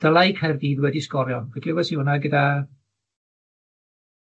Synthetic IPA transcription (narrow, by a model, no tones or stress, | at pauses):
d̥əlˠajkʰɛrdiːðwɛdiskɔɾjɔvɛɡlɪwɛsiɔnaɡəda